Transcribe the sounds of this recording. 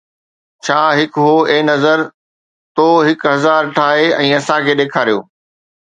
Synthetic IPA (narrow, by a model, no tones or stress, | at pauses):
t͡ɕʰaːɦɪkɦoːeːnɐzəɾ | t̪oːɦɪkɦɐzaːɾʈʰaːɦeɛ̃ːɐsãkʰeːɗeːkʰaːɾijo̰ː